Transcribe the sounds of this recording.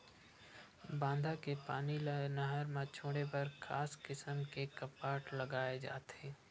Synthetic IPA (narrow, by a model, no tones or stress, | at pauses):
bãːnd̪ʱakepaːninɐɦəɾmãt͡ʃʰoːɽepɐɾkʰaːskɪsəmkekɐpaːʈlɐɡaːed͡ʒa̰ːt̪ẽː